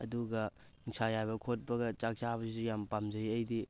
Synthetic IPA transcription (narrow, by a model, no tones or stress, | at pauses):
ɐduɡɐ | iŋsajabɐkʰot̚bɐɡɐt͡ʃak̚t͡ʃabɐsizujampamzɐjɐjdi